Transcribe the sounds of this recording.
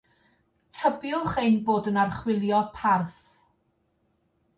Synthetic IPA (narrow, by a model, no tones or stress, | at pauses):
tʰəbjʊχejnboːdənarχwɪlˠjɔpʰarθ